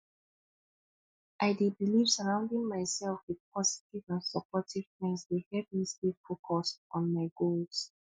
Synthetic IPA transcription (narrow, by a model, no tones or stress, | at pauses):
ʔaɪdebiliv̥səɹãʊ̃ndĩŋmaɪsɛlˠfwið̥pʰɔzi̥tivãnsəpʰɔtʰiv̥tɹɛ̃nsdehɛvmistefokʰɔsɔ̃nmaɪɡolˠz̥